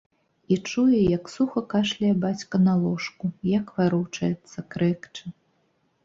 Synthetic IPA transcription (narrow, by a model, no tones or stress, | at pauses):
it͡ʂujɛjɐksuxɐkaʂlʲɐjɛbat͡sʲkɐnalˠɔʂkujɐkvaɾuwt͡ʂɐjɛt̪sːɐkɾɛkt͡ʂɨ